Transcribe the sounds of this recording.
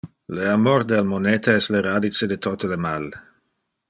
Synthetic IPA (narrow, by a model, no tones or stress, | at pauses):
leamord̪elmonet̪ʰaɛsleɾadit͡sed̪et̪ʰot̪əlemal